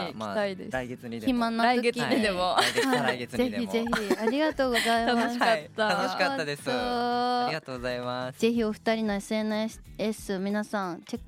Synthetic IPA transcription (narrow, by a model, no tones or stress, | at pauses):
it̪aid̪ḛsɾaiɡeçimãnːoɾaoɡekʲiɲid̪emohaɾaɡeze̞çize̞çiaɾʲiɡat̪o̞ːɡo̞zaiamasat̪ːanoɕikatːad̪esoiat̪oːɡozaimaz̥e̞çio̞ɸɯ̟̥t̪aɾʲinoesenɯes | esɨmʲinasãŋkekː